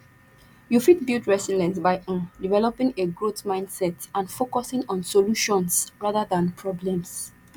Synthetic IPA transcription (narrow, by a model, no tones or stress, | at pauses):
jufit̚bildɹɛsilɛ̃nsbaɪʔɔ̃divɛlɔpɪ̃ŋeɡɹotmãɪ̃nd̥sɛtãnfokɔsɪ̃ŋɔ̃nsoluʃɔ̃nsɹaðaðãnpʰɹɔblɛ̃ms